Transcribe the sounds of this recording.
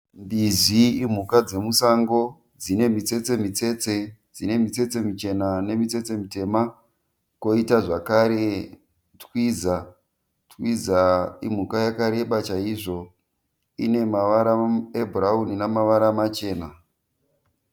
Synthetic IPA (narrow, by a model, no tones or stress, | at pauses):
mbiziim̤ukad͡ze̞musaŋɡo̞ | d͡zine̞mit͡se̞t͡se̞mit͡se̞t͡se̞d͡zine̞mit͡se̞t͡se̞mit͡ʃe̞nane̞mit͡se̞t͡se̞mute̞ma | ko̞itaʐakaɾe̞ | twwiza | twizaim̤ukajakaɾe̞ɓat͡ʃaiʐo̞ | ḭne̞maʋaɾaebʱuraɦuninamaʋaɾamat͡ʃe̞ːna